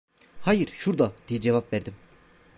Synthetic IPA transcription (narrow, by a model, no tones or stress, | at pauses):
hajɯɾʃuɾd̪ɑd̪̥ijid͡ʒevapvæɾd̪im